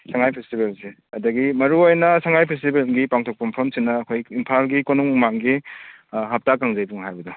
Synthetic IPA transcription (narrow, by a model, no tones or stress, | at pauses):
saŋajpʰestibelse | ɐdɐɡimɐɾuojnɐsaŋajpʰes̬tibelɡipaŋtʰok̚pɐmpʰɐmsinːɐːkʰojinpʰalɡikonuŋmaŋɡi | ɦɐp̚takaŋzɐjbuŋɦajbɐdu